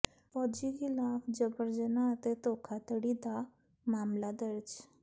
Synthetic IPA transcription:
fɔd͡ʑiɡilafd͡ʑəbəɾd͡ʑənat̪et̪okʰat̪əɽid̪a | mamlad̪əɾt͡ɕ

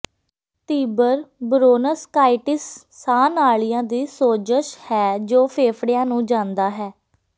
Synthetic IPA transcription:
t̪iːbəɾbɾoːnəskaːɪʈɪsː | aːnaːɭɪjãːd̪iːsoːd͡ʒəʃhɛːd͡ʒoːpʰeːpʰɽɪjãːnũːd͡ʒãːnd̪aːɦɛː

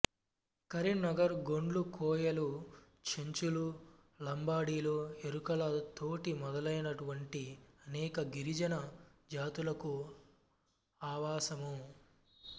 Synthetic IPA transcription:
kɐɾiɳnɐɡɐɾɡo̞ɳɖlukʰɔːjɐlu | t͡ʃʰeɲt͡ʃulu | lɐmbaːɽiːloːeɾukɐlɐt̪oːʈimɔd̪ɐlɐjnɐʈuʋɐɳʈiɐnɛːkɐɡiɾid͡ʒɐnɐd͡ʒaːt̪ulɐku | aːʋaːsɐmu

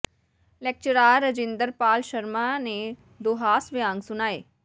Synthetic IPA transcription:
lɛk̚t͡ʃəɾaːɾːəd͡ʒɪ̃nd̪əɾpaːlʃəɾmane | d̪oːɦaːsʋɪjãːŋɡsʊnaːḛː

